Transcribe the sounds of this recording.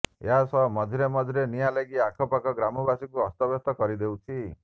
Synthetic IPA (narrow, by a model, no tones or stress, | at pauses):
ḛɦasɔmɔd̪ʱiɾemɔd̪ʱɾenijaleɡiakʰɔpakɔɡɾamɔbasikuɔst̪ɔbjɔt̪ɔkɔɾid̪ewt͡ʃʰi